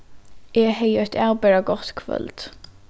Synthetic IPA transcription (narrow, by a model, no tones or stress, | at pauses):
ɛːɦɛjɔçt̪ʰaːwpɛːɹaɡɔt̪kʰvœ̰lt̪